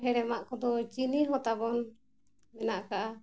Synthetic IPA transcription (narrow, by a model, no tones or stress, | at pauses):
ɦɛɽɛmaʔkɔd̪ɔt͡ʃiniɦɔt̪abɔn | mɛnaʔkaʔa